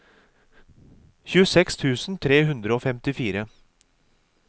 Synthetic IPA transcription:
çʉːəsɛkst̪ʰʉːsn̩t̪ʰɾeːɦʉnd̪ɾəoːfɛmt̪ɪfiːɾə

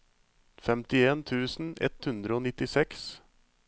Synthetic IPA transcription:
fɛmt̪ɪeːnt̪ʰʉːsn̩ɛ̰t̪hʉnd̪ɾəoːnɪt̪ɪsɛks

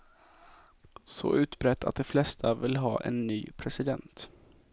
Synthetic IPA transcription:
sɔ̰ʔʉ̟ːt̪bɾɛt̪ːa̰t̪̚d̪ɛflɛst̪ʰavɪlːɦɑ̰ːʔɛ̰nːyːpʰɾɛsɪd̪ɛnt̪

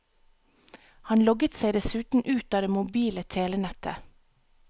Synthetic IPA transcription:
hɑnlɔɡət̪seɪd̪ɛsʉːt̪n̩ʔʉːt̪ɑːd̪eːmʊbiːlət̪ʰeːlənɛt̪ʰə̰

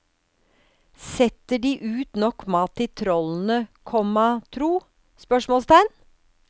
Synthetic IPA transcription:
sɛt̪əɖiːʔʉːt̪nɔkmɑːt̪ɪt̪ʰɾɔln̩əkʰɔmɑt̪ʰɾuː | spœʂmɔːlst̪æɪn

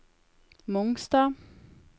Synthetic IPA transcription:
mʊŋst̪ɑː

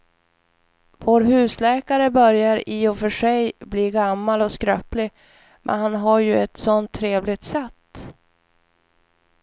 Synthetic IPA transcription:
voːɾɦʉ̟ːslɛːkaɾəbœɾjaɾiɔfœʂɛjbliːɡamːalɔskɾœplɪ | mʔɛ̰nɦanɦaɾjɵɛt̪sɔnt̪ʰːɾeːvlɪt̪sɛt̪ː

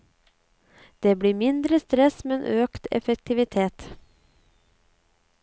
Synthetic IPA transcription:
d̪̥eːbɽiːmɪnd̪ɾəst̪ɾɛsmɛnʔøːkt̪ɛ̰fɛk̚t̪ʰɪʋɪt̪ʰeːt̪

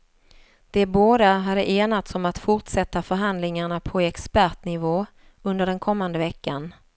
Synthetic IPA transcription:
d̪̥ɛboːd̪aɦad̪ːəʔeːnat̪sɔmat̪fʊʈʂɛt̪ːafœɾɦand̪lɪŋaɳapʰɔɛkspæɾʈnɪvoː | ɵnd̪əɖɛnkʰɔmːand̪əvɛkːan

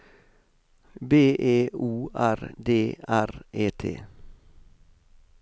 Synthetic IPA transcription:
beːʔeːuːʔæɾd̪eːʔæɾʔeːt̪ʰḛː

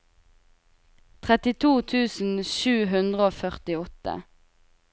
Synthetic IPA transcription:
t̪ʰʁɛt̪ɪt̪ʰuːt̪ʰʉːsn̩ʃʉːɦʉnd̪ʁəoːfœʁt̪ɪɔt̪ə̰

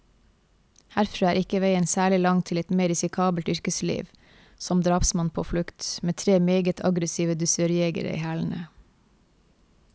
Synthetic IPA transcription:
hæɾfɾɑːæːɾɪkəʋeɪənsæːɭɪlɑŋt̪ʰɪlɛt̪meːɾɪsɪkʰɑːbəlt̪ʏɾkəslḭːʋ | sɔmd̪ɾɑːpsmɑnpʰoːflʉkt̪meːt̪ʰɾeːmeːɡət̪ʰɑɡɾəsiːʋəd̪ʉsœɾɪeːɡə̰ɾə̰ḭːhæːln̩ə̰

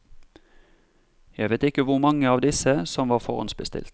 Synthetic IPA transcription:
jæɪʋeɪt̪ɪkəʋʊʁmɑŋːəɑːʋd̪ɪsəsɔmʋɑːʁfɔʁɑ̰nsbəst̪ɪ̰lt̪

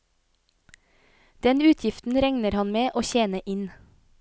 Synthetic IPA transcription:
d̪̥ɛnʉːt̪ʰjɪft̪n̩ɾɛŋnəɾhɑnmeːʔoːçeːnəʔɪn

